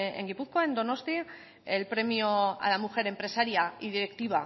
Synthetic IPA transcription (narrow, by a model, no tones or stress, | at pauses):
ḛŋɡipuθkoae̞nd̪o̞no̞st̪i | elpɾe̞mjoa̰lamuxe̞ɾe̞mpɾe̞saɾjaiðiɾe̞kt̪iβ̞a